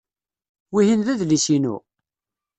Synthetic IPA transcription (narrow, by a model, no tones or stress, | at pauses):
wihinðæðlisinṵ